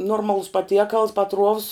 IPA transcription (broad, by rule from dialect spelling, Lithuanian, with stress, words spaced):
ˈnoːrmɐlˠʊs pɐˈtʲiɛkɐlˠs pɐˈtruɔws